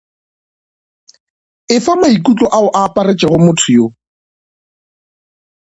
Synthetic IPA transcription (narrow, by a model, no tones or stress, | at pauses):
ɪfamaikʼut͡ɬʼɔʔaʊʔaːpʼaret͡ʃʼɛɣʊmʊtʰʊjo